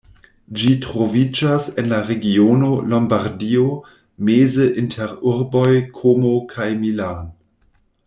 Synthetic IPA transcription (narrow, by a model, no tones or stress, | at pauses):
d͡ʒitɾo̞vid͡ʒase̞nlaɾe̞ɡiono̞lombaɾdio | mezəʔintʰeɾuɾbojkʰomokʰajmilan